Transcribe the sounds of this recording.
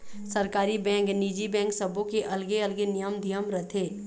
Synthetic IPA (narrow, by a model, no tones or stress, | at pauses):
sɐɾkaːɾibɛ̃ːŋkniːd͡ʒibɛ̃ːŋksɐbʱõkeʔɐlɡeɐlɡenɪjəmd̪ʱijəmɾɐt̪ʰeː